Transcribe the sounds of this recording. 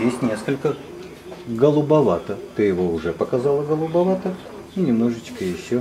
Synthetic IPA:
jesʲtʲnʲe̞skəlʲkə | ɡəlˠʊbɐvat̪ət̪ɨjɪvo̞ʊʐɛpəkɐzalˠəɡəlˠʊbɐvat̪ə | inʲɪmno̞ʐɨt͡ɕkəjɪɕːo

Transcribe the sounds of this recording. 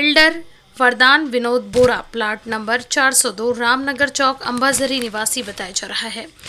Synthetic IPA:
ɪlɖəɾ | ʋɐɾd̪aːnʋɪnoːd̪̚boːɾaplaːʈnɐ̃mbəɾt͡ʃaːɾsɔːd̪oːɾaːmnɐɡəɾt͡ʃɔːkɐ̰̃mbazɐɾinɪʋaːsibɐt̪aːjad͡ʒaːɾɐɦaɦɛː

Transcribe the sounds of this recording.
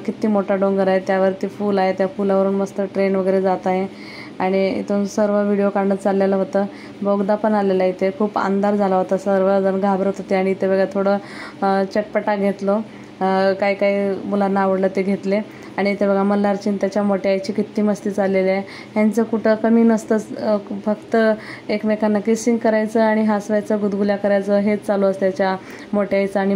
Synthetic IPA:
kit̪iːmoʈaɖoŋɡəɾaɦet̪jaʋəɾt̪iːfuːlaɦet̪jafulaʋəɾuːnməst̪əʈɾenʋəɡəjɾed͡zat̪aɦe | aɽ̃iḭt̪osəɾʋəʋiɽijokaɾɳət̪t͡salːalaɦot̪əː | boɡd̪apəɳalelait̪ʰekʰuːpa̰nd̪aɾd͡zʱalaɦot̪asəɾʋəd͡zənɡʱabɾəot̪ot̪eaɽ̃it̪ʰebəɡat̪ʰoɽə | t͡ɕeʈ̚pəʈaɡʱet̪lo | kaɦiːkaɦiːmulanːaːʋəɽlət̪eɡʱet̪le | aɽ̃it̪ebəɡɭaməlːaɾt͡ɕiːnt̪jat͡ɕjamoʈeajt͡ɕiːkit̪ːiːməst̪iːt͡saleliaj | ɦjant͡səkuʈʰəkəmiːnəst̪ət͡sfəkt̪əekmekʰanːakisiŋɡkəɾajt͡səaɽ̃iɦasʋajt͡səɡud̪ɡuljakəɾajt͡səɦet͡st͡saloəst̪jat͡ɕja | moʈeajt͡səaɽ̃i

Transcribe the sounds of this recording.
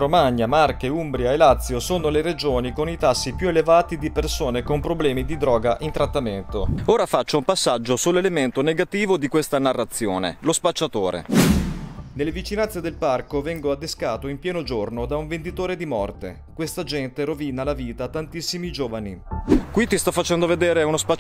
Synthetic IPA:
ɾomaɲːamarkeumbɾjaelat̪sːjosoːnoleɾed͡ʒoːnikonit̪asːipjuelevaːt̪id̪ipersoːnekompɾoblɛːmid̪id̪ɾɔːɡaʔint̪ɾat̪ːament̪ooːɾafat͡ʃːoumpasːad͡ʒːosulːelement̪oneɡat̪iːvod̪ikwest̪anarːat̪sːjoːnḛlospat͡ʃːat̪oːɾḛ | nelːevit͡ʃinansːed̪elparkovɛŋɡoad̪ːeskaːt̪oimpjɛːnod͡ʒornod̪auɱvend̪it̪oːɾed̪imɔrt̪e | kwest̪ad͡ʒɛnt̪eɾoviːnalaviːt̪at̪ːant̪isːimid͡ʒoːvanikwit̪ist̪ɔfːat͡ʃɛnd̪oved̪eːɾeunospa

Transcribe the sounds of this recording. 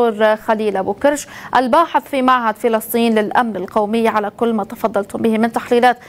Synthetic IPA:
uːɾxaliːlʔabuːkɪɾʃʔalbaːħɪθˤfimaʕɦad̪fɪlɑsˤt̪ˤiːnlɪlʔamnɪlqawmɪjːaʕalakʊlːmaːt̪ɑfɑd̪ˤːɑlt̪hʊmbɪhimɪnt̪aħliːlaːt̪

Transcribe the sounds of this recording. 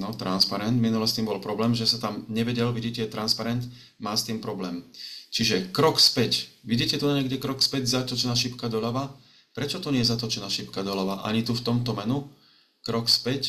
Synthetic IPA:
nɔt̪ɾa̰nspaɾɛnd̪minulɛst̪iːmbɔlpɾɔblɛːmʒɛsat̪amɲɛʋɛɟɛlʋiɟicɛt̪ɾanspaɾɛnd̪ | maːst̪iːmpɾɔblɛːmt͡ʃiʒɛkɾɔkspɛcʋiɟiːcɛt̪unaɲɛɡɟɛkɾɔkspɛɟzat̪ɔt͡ʃɛnaːʃipkad̪ɔlaʋa | pɾɛt͡ʃɔt̪ɔɲɛjɛzat̪ɔt͡ʃɛnaːʃipkad̪ɔlaʋaʔa̰ɲit̪uft̪ɔmt̪ɔmɛnu | kɾɔkspɛc

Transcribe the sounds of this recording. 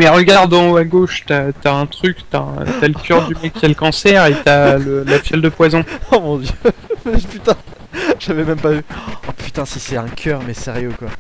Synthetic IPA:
mɛʁəɡaʁd̪ɔ̃oaɡoʃt̪yat̪yaɛ̃t̪χykt̪yaɛ̰̃t̪yaləkʲʰœʁd̪ymɛkʲːialkɑ̃sɛʁet̪yaləlafjɛld̪əpwazɔ̃ɔmɔ̃d̪jømɛpyt̪ɛ̃ | ʒ̥avɛmɛmpavypy̥t̪ɛ̃sisɛɛ̃kʲʰœːʁmɛsɛʁjøkwa

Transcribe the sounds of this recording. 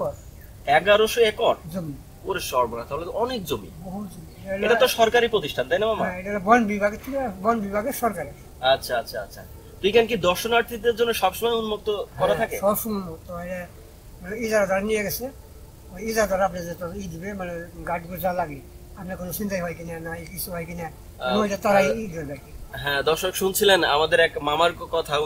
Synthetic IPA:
kɔɾ | ɛɡaɾoʃoɛkɔɾd͡zomi | poɾeʃɔɾbonat̪aɦolet̪oʔɔnekd͡ʑomḭboɦut̪d͡ʒomieɾeʈat̪oʃɔɾkaɾipɾot̪iʃʈʰant̪ajnamamaɦɛ̃eʈabɔnbibʱaɡet̪ʰikabɔnbibʱaɡeɾʃɔɾkaɾeɾ | atːɕʰaatːɕʰaatːɕʰa̰ | t̪oikʰank̬id̪ɔɾʃonaɾt̪ʰid̪eɾd͡ʑonːeʃɔbʃɔmajunmok̚t̪oɦkɔɾat̪ʰaeʃɔbʃunmokt̪oɔjɾe | maneizaɾad̪ʱaɾanijeɡɛt͡ɕʰe | ojizaɾd̪ʱɔɾapnad͡ʑet̪ɔid̪ibemaneɡaʈɡoɾd͡ʑalaɡiapnakonosint̪ajɦɔjkinanaikisʰuɦɔjkina | not̪at̪aɾaiid̪ibebɛkiɦɛ̃d̪ɔɾʃokʃunt͡ɕʰilena̰mad̪eɾɛkmamaɾkɔt̪ʰa

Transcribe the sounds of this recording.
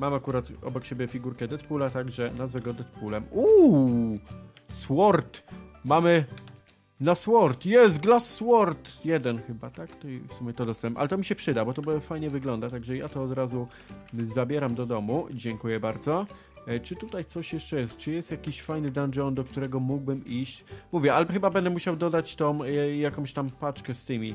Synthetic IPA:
mamakuɾat̪ɔ̰bɔkt͡ɕebʲjɛfʲiɡuɾkɛd̪ɛt̪pulat̪aɡʐɛnazvɛɡɔd̪ɛt̪̚pulɛmu | swɔɾt̪mamɘ | naswɔɾt̪jɛs̬t̪̚ɡlasːwɔɾt̪jɛd̪ɛnxɘbat̪akt̪ɔfsumʲjɛt̪ɔd̪ɔst̪ɛmʔalɛt̪ɔmʲiɕɛpʂɘd̪abɔt̪ɔbfajɲɛvɘɡlɔnd̪at̪aɡʐɛjat̪ɔːd̪ɾazu | zabʲjɛɾamd̪ɔd̪ɔmud͡ʑɛŋkujɛbaɾd̪zɔ | t͡ʂɘt̪ut̪ajt̪sɔɕjɛʂt͡ʂɛjɛst̪̚t͡ʂɘjɛst̪jakʲiɕfajnɘd̪and͡ʒɔnd̪ɔk̚t̪uɾɛɡɔmuɡbɘmiɕt͡ɕmuvʲjɛalxɘbabɛnd̪ɛmuɕawd̪ɔd̪at͡ɕt̪ɔ̃m̃jakɔ̃ɕt̪ampat͡ʂkɛst̪ɘmʲi

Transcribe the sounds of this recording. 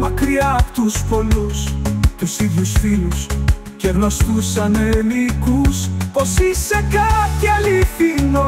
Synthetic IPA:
mɐkɾiɐt̪uspo̞lust̪usiðʝusfilus | ceɣno̞st̪usɐnelikuspo̞sise̞kɐciɐliθino

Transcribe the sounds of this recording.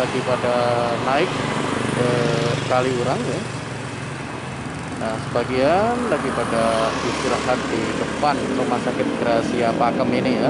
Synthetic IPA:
laɡipadanaɪk̚əkaliuɾaŋ | nasəbaɡianlaɡipadaist̪iɾaŋat̪̚didəpanrumasakɪt̪̚ɡ̥əɾasiapakəminija

